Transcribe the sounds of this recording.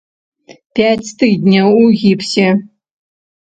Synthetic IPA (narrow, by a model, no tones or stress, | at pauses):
pʲæt͡sʲt̪ɨd̪ʲnʲɐwuɣʲipsʲe